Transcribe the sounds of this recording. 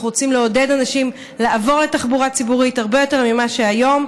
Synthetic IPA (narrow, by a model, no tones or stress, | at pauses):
uʁot͡simleo̞de̞danaʃim | laːvo̞ʁle̞taχbuʁat͡sibuʁithaʁbe̞jo̞te̞ʁmimaʃeajo̞m